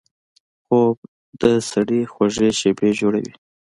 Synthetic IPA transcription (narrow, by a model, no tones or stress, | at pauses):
xob̚ | d̪əsaɽixwaʒeʃebed͡ʒoɽa̰wḭ